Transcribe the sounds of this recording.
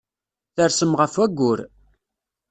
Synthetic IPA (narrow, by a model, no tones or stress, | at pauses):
θəɾsəmʁəfæɡʷːʊɾ